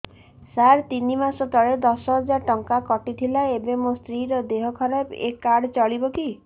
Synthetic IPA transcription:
saɾt̪inimasɔt̪ɔɭed̪ɔsɔɦɔd͡ʒaɾʈɔŋkakɔʈit̪ʰilaebemost̪ɾiɾɔd̪eɦɔkʰɔɾapḛkaɽt͡ʃɔɭibɔki

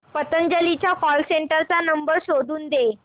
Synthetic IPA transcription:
pət̪ənd͡ʑəlit͡ɕjakɔlseɳʈəɾt͡sanəmbəɾɕod̪ʱuːnd̪e

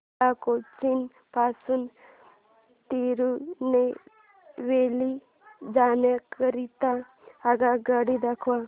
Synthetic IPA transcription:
akot͡ʃin | pasun | t̪iɾune | ʋeli | d͡ʒanakəɾit̪aː | ɡaɡəɽid̪əkʰʋa

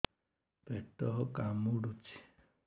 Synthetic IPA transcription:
beʈɔɦɔkamuɽut͡ʃʰi̥

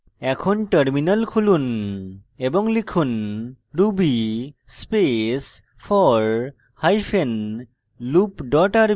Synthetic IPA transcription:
ɛkʰɔnʈəɾminəlkʰulun | ebɔŋlikʰun | ɹubispes | pʰɔɹ | hajpʰen | lupdɔʈaɾ

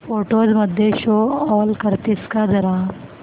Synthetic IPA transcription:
foːʈoːd͡ʒmɐd̪ʱjeʃoːɔːlkəɾt̪iskad̪ɐɾaːn

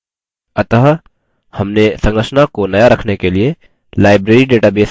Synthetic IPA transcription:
ɐt̪əɦ | hɐmnesɐ̃ŋɡɾəʃnakonɐjaɾɐkʰnekelie | laːɪbɾeːɾiɖeːʈabeːs

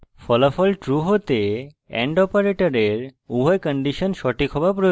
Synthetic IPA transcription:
fɔlafɔlʈɾuɦot̪e | ɛ̰ɳɖɔpaɾeʈoɾeɾubʱɔjkɔɳɖiʃonʃɔʈikʰɔbapɾo

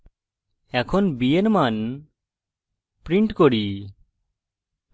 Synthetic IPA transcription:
ɛkʰonbienman | pɾiɳʈkoɽi

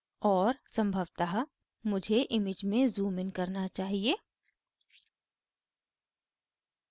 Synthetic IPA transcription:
ɔːɾsɐ̃mbʱəʋt̪aɦa | mʊd͡ʒʱeʔɪmɪd͡ʒmẽzuːmɪnkɐɾnat͡ʃaːɦieː

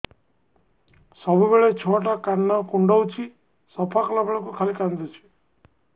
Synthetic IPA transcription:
sɔbubeɭet͡ʃʰoaʈ̬akanːakuɳɖɔwt͡ʃʰi | sɔpʰaklabʱeɭɔkukʰalikand̪ot͡ʃʰi̥

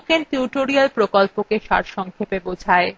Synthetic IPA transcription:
kentuʈoɾialpɾokolpokeʃa̰ɾʃɔŋkʰepebod͡ʑʱae

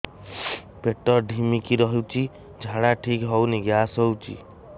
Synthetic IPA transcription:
peʈɔɾɖʱimikiɾɔɦit͡ʃʰi | d͡ʒʱaɽaʈʰikɦɔwniɡasɦɔwt͡ʃʰḭ

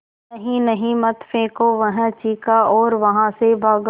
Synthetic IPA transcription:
ɐɦĩnɐɦĩmɐt̪fẽːkoʋɐɦə̃t͡ʃiːkaɔːɾʋɐɦãsebʱaːɡ

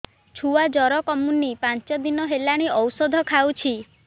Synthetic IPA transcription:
t͡ʃʰuad͡ʒɔɾɔkɔmunːipant͡ʃɔd̪inɔɦelaɽ̃iɔwsɔd̪ʱɔkʰawt͡ʃʰi

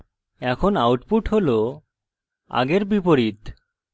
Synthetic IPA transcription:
ɛkʰonawʈpuʈɦolo | a̰ɡeɾbipoɾit̪

